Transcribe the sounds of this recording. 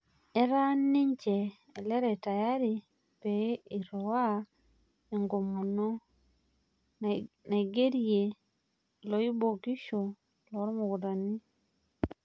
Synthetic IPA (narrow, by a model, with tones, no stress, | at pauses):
e˦ɾa˦nːi˦ɲt͡ʃeː˨ | lɛ˦ɾɛ˨ta˨ja˦ɾi˨ | pe˨˦i˨ɾɔ˨wa˦ | e˨ŋɡo˨mo˨no˦ | na˨ɡe˦ɾie˨ | lo˨˦i˦bo˨ɡi˦ʃo˨ | lɔ˨˦ɾmo˨ɡu˨da˨ni˦